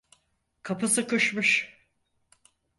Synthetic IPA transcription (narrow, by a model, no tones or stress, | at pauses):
kʰapɯsɯkɯʃmɯʃ